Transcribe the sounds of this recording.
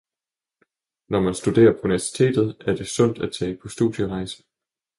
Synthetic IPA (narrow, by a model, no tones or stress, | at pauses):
nɒmænsd̥ud̥e̝̰ːɐpʰɒ̽næɐsi̥t͡sʰe̝̰ːd̥ð̩ˠæɐd̥e̝sɔ̽n̰d̥æt͡sʰɛ̰ːpʰɒ̽sd̥ud̥ˠjəʁɑ̈ɪsə̥